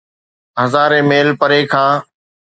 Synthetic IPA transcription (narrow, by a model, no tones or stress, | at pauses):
ɦəzaːɾẽːmeːlpəɾeːkʰãː